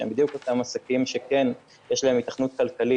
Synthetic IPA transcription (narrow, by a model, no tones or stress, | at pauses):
embid̪juko̞t̪amasakimʃe̞ken | jeʃlae̞mitaχnut̪̚kalkali